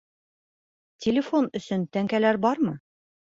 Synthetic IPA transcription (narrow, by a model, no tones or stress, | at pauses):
tʲʰelʲɪfo̞nɵ̆sɵnt̪æŋkælæɾbɒɾmɤ